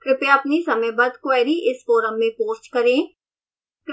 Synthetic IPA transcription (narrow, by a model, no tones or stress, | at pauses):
kɾɪpeɐpnisɐmə̃bɐd̪kʊɛːɾiʔɪsfoːɾəmːẽpoːɾt͡ʃkəɾẽː | kɾ